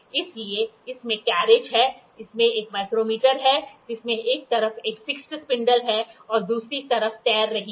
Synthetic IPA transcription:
ɪslieɪsmẽkɛːɾed͡ʒɦɛː | ɪsmẽeːkmaɪkɾoːmiːʈəɾɦɛd͡ʒɪsmẽʔeːk̚t̪ɐɾəfʰeːkfɪksʈspɪ̃ɳɖəlɦɛɔːɾd̪uːsɾit̪ɐɾəft̪ɛːɾːɐɦĩ

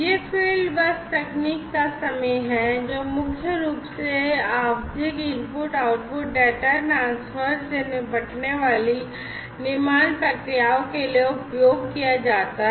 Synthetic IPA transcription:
jeːpʰɪːlbɐst̪ɛkniːkːasɐməjɦɛ̃d͡ʒoːmʊkʰjəɾuːpseaːʋd̪ʱɪkɪ̃ɾpʊɾʈaːʊʈ̚pʊʈ̚ɖɛːʈaɾʈãːnswəɾsenebɐʈʰneʋaːli | nɪɾmaːnpɾɐkɾijaːõkelieʊpjoːɡkijad͡ʒaːt̪aɦɛ

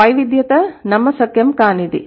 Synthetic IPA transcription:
ɐjʋid̪jɐt̪ɐnɐmːɐsɐkjɐmkaːnid̪ḭ

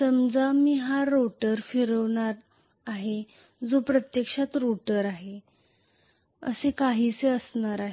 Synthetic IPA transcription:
səmd͡zamiːɦaɾoʈəɾfiɾəʋɳ̃aɾ | aɦe | d͡zopɾət̪jəkʂat̪ɾoʈəɾaɦe | ə̰sekaɦiːt͡seəsnaɾaɦe

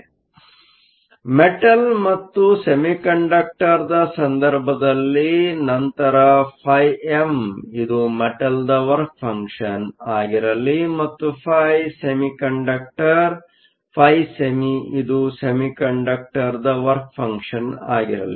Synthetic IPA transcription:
meʈɐlmɐt̪ːusemikɐɳɖɐk̚ʈɐɾd̪ɐsɐnd̪ɐɾbʱɐd̪ɐlːinɐnt̪ɐɾɐpʰɐjemid̪umeʈɐld̪ɐʋɐɾk̚pʰɐŋkʂɐnaːɡiɾɐlːimɐt̪ːupʰɐjsemikɐɳɖɐk̚ʈɐɾ | pʰɐjsemiid̪usemikɐɳɖɐk̚ʈɐɾd̪ɐʋɐɾk̚pʰɐŋkʂɐna̰ːɡiɾɐ̰lːi

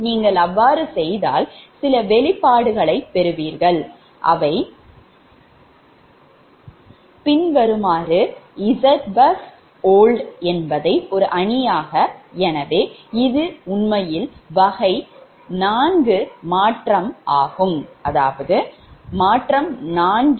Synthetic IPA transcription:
niːŋɡɐɭɐʋːaːɾɯsɛjða̰ːlsɪlɐʋɛɭɪpːaːɽɯɣɐɭɐɪpːɛɾɯʋiːɾɣɐɭ | ʔɐ̰ʋɐɪ | pɪnʋɐɾɯmaːɾɯɪsɐt̪bɐs | oːlɖɛnbɐðɐɪɔɾɯʔɐɳɪjaːɣɐɛnɐʋeːɪðɯʊnmɐjɪlʋɐɣɐɪ | naːnɡɯmaːʈrɐmʔaːɣɯmʔɐða̰ːʋɐðɯmaːʈrɐmnaːnɡ

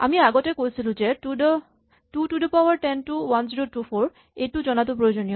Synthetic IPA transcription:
a̰miaɡɔtɛkojsilʊ̃zɛtudɔ | tutudɔpawaɹtɛntuwanziɹotupʰɔɹ | ejtuzɔnatʊpɹojozonijɔ

